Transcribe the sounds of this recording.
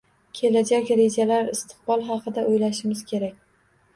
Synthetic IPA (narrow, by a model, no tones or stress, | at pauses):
kʲʰe̞lad͡ʒakʲɾe̞d͡ʒalaɾɪst̪ʰɨ̥q̚bɒlˠɦɑqʰɨd̪aʔojlaʃɪmɪz̥kʲʰe̞ɾakʲ